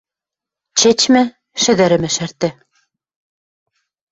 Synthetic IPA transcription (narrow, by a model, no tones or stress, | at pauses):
t͡ɕet͡ɕmɘ | ʃɘ̆ðæɾɘ̆mɘ̆ʃæɾt̪ɘ̆